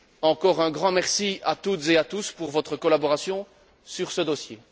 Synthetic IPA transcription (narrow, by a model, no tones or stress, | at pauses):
ɑ̃kɔʁɛ̃ɡʁɑ̃mɛʁsiat̪ut̪zeat̪uspuʁvɔt̪χəkɔlabɔʁasjɔ̃ | syʁsəd̪osjḛ